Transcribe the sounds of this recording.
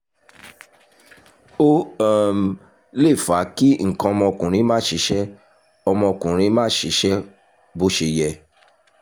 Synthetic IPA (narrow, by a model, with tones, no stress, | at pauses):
o˦˨m˨ | le˦˨fa˨˦ki˦ŋ̩˨kã˧ɔ˧mɔ̃˧kũ˨ɾ̃ĩ˧˦mãː˦ʃi˨˦ʃɛ˦ | ɔ˧mɔ̃˧kũ˨ɾ̃ĩ˧˦mãː˦ʃi˨˦ʃɛ˦ | bo˧˦ʃe˧˨jɛ˨